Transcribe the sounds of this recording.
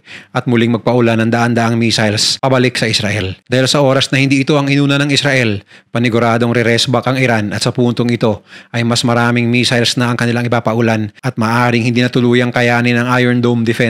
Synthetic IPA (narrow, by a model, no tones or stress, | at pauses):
ʔɐt̪̚mʊlɪŋmɐɡ̚pɐʔʊlanːɐŋd̪ɐʔand̪ɐʔaŋmiːsajlspɐbɐlɪksɐʔɪsɾɐʔɛld̪aːhɪlsɐʔo̞ːɾɐsnɐhɪnd̪iʔɪt̪o̞ʔɐŋɪnuːnɐnɐŋɪsɾɐʔɛlpɐnɪɡʊɾaːd̪o̞ŋɾɛɾɛsbɐkʔɐŋɪɾanʔɐt̪sɐpuːnt̪oŋɪt̪o̞ʔɐjmɐsmɐɾaːmɪŋmiːsajlsnɐɐŋkɐnɪlaŋʔɪpaːpɐʔʊlanʔɐt̪̚mɐːʔaːɾɪŋhɪnd̪iːnɐt̪ʊluːjɐŋkɐjaːnɪnɐŋʔajɛɹnd̪omd̪ɛfɛ